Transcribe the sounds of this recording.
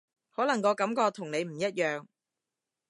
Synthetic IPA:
hɔː˨˥lɐ˨˩ŋkɔː˨˧kɐ˨˥mkɔː˧t̪ʰʊ˨˩ŋne˨˧jm̩˨˩jɐ˥t̚jœː˨˧ŋ

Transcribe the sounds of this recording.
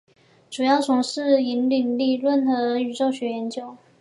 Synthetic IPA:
ʈ͡ʂu˨˩jɑ˥˩ʊt͡sʰʊ˧˥ŋʂɻ̩˥˩i˧˥nli˨˩nli˥˧lwə˥˩nxɤə˧˥y˨˩ʈ͡ʂo˥˩ʊɕɥɛ˧˥jɛ˧˥nt͡ɕjo˥˦ʊ

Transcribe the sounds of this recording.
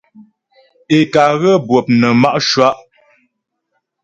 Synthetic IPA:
e˨ka˨ɣə˦bwə˨p̚nə˨ma˦ʔʃwa˦ʔ

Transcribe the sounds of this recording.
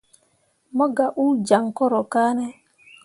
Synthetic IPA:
mɔ˦ɡa˨ʔu˦d͡ʒa˨ŋkɔ˦ɾɔ˨kaː˦nɛ˦

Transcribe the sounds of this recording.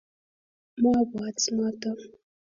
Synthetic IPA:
ma˦ba˨t͡sma˦ta˦

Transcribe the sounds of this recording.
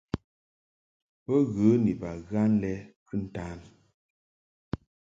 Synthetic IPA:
pə˦ɣə˨˦ni˨ba˨ɣa˦n˦lɛ˦kɨ˦n̩˦˨ta˦n

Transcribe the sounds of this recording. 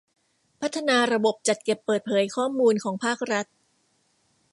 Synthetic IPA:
pʰa˦˥t̪ʰːa˧naː˧ɾa˧bo˨˩p̚t͡ɕa˨˩t̪̚ke˨˩pːɤː˨˩t̪̚pʰɤː˩˦jkʰɔː˥˩muː˧nkʰɔː˩˦ŋpʰaː˥˩k̚ɾa˦˥t̪̚

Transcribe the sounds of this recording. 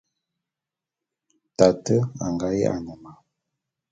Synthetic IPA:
ta˨tə˦a˨ŋɡa˦jḛ˦a̰˨nə˨ma˨

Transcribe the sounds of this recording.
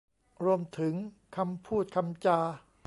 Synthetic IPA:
ɾu˧əmt̪ʰɯ˩˦ŋ | kʰa˧mpʰuː˥˩t̪̚kʰa˧mt͡ɕaː˧

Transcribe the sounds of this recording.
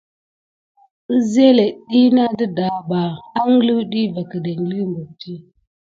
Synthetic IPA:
ə˦ze˦le˨ɗi˦na˦də˦da˨ba˨a˦ŋ˦li˦wɗi˦va˨kə˨da˨ŋɡli˦mɡu˨k̚ti˦

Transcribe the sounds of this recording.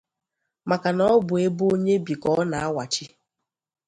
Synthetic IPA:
ma˨ka˨nɔ˦bʊ˨e˦bo˦ɲe˦bi˨kɔ˦ɔ˦na˨a˦wa˨t͡ʃi˦

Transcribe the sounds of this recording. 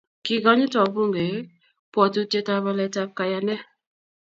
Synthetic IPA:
kɪ˨ɡɔ˦ɲɪ˦tɔ˨bu˦ŋɡe˨˦ | pwɔ˨tu˦te˦ta˧βɔ˧lɛ˨ta˧p̚ka˨ja˨nɛ˦

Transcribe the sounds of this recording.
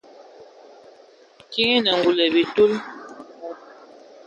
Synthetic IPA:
ki˦nə˨ŋɡu˨lə˨bi˨tu˦l

